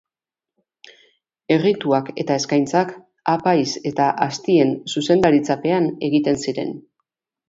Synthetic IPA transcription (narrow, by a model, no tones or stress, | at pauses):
e̞rit̪uake̞̰t̪ae̞skajnt͡sak | apajse̞t̪aʔast̪ie̞nsuse̞nd̪aɾit͡sape̞ane̞ɣit̪e̞nsiɾe̞̰n